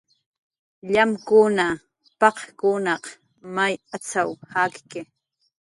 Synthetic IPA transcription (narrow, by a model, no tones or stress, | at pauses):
ʎamkʊna | pɑqkʊnɑq | majat͡sawhakkɪ